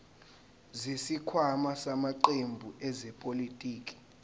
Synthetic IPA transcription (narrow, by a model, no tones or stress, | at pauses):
zisikʰwamasamaǃembʱuʔɛzɛpʼolitʼiːkʼi̥